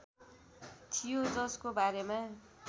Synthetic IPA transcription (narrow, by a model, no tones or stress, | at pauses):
t̪ʰijod͡zʌskobaɾemã